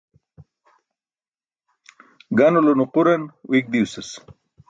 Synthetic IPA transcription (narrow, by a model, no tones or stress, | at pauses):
ɡanolonuquɾɐnwʔik̚d̪iuses